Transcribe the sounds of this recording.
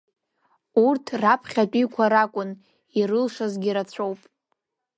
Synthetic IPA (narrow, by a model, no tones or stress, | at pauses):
urtʰrapʰχʲat͡pʼikʷʰaɾakʷʼʊn | irɨlʂazɡʲiɾat͡sʷʰowpʼ